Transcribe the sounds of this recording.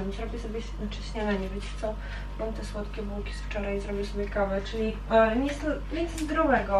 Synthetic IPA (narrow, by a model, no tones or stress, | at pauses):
zɾɔbʲisɔbʲjɛɕnat͡ʂɛɕɲanaɲɛvɘt͡ɕt̪sɔ̃ | mamt̪ɛswɔt̪kʲɛbukʲi̥sft͡ʂɔɾajzɾɔbʲisɔbʲjɛkavɛt͡ʂɘlʲi | ɲɛst̪ɲʲɛszd̪ɾɔvɛɡɔ